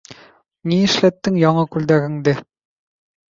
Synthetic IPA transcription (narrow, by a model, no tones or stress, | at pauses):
niɘʃlæt̪ːɘŋjɒɴɤkʉld̪æɣɘ̆ŋd̪ɘ